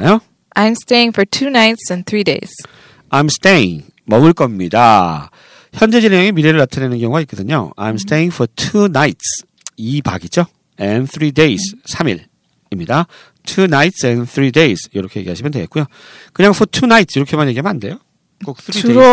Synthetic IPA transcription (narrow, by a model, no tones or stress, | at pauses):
ajo | ʔãjmsteɪɪ̃ŋfɔ˞tʰunaɪtsɛ̃nθʰɹideɪs | ajmsteḭŋ | mʌɯɭk͈ʌmɲida | çjʌnd͡ʑe̞d͡ʑiɭjʌŋemiɾeɾɯɭatʰanenɯnkjʌŋuɡait̚k͈ʌdɯɲo̰a̰jmst͈eiŋfʰʌtʰunajts | iba̰ɡit͡ɕo | ɛnθʰɾideissʰamḭɾ | imɲida | tʰunajtsɛ̃nθʰɾidejsjʌɾʌkʰe̞je̞ɡiɦaɕʰimʌndweɡet̚k͈ujo | kɯɲaŋfʰʌtʰunaitʰsiɾʌkʰe̞maɲje̞ɡiɦamnɦande̞jo | k͈ok̚θʰɾi